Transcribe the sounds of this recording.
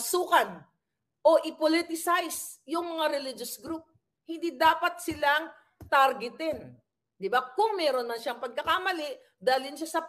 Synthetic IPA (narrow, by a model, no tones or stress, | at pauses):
suːkɐn | ʔo̞ʔɪpolit̪ɪsajs | jʊŋmɐŋaɾɛlid͡ʒosɡɾup̚ | hɪnd̪iːd̪aːpɐt̪̚sɪlaŋ | t̪aɾɡɪt̪ɪn | d̪ɪbakʊŋmɛːɾonmɐnʃaŋpɐɡ̚kɐkamɐlɪʔ | d̪aːlɪnʃasɐ